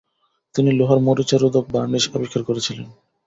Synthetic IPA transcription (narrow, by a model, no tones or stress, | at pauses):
t̪iniloɦaɾmoɾit͡ɕaɾud̪ok̚baniʃobekʰːaɾkoɾet͡ɕʰilen